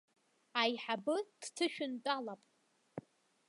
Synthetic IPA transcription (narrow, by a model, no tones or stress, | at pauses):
ajħabɨd̥tʰɨʃᶣʊnt͡pʼalapʼ